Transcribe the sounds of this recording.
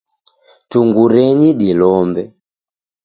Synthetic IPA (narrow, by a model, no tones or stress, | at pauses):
tuŋɡuɾɛɲiɗilɔmbɛ